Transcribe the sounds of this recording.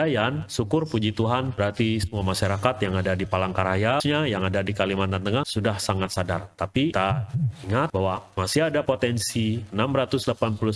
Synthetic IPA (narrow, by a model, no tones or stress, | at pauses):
ajansukʊrpud͡ʒit̪uɦanbəɾat̪isəmuamaʃaɾakat̪jaŋadadipalaŋkaɾajaɲajaŋadadikaliman̚d̪ant̪əŋahsudahsaŋat̪̚sadart̪apit̪aiŋat̪̚bawamasiadapot̪ɛnsiənamɾat̪ʊsdlapanpulu